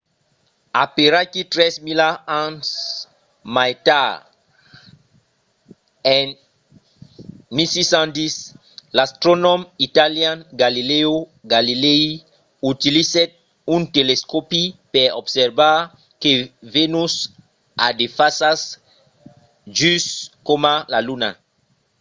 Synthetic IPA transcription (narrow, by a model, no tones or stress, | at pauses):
apeɾakit̪ɾɛsmilaãns | majta | ɛ̃n | misisãnd̪is | last̪ɾonɔ̃mit̪aljãnɡalileoɡalilei | ut̪iliset̪̚ | ũnt̪eleskopipeɾɔbseɾbaɾ | kevenus | a̰d̪efasas | ʒyskomalaluna̰